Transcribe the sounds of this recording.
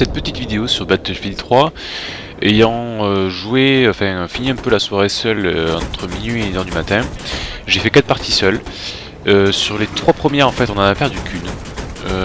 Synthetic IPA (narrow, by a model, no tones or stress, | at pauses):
sɛt̪̚pət̪it̪vid̪eosyʁbat̪filt̪χwa | ejɑ̃øʒueɑ̃fɛ̃finiɛ̃pølaswaʁesœløɑ̰̃t̪χəminɥieenœʁd̪ymat̪ɛ̃ʒefɛkat̪paʁt̪ʰisœl | øsyʁlet̪χwapχəmjɛʁɑ̃fɛt̪ɔ̃nɑ̃napɛʁd̪ykʲʰyn | ø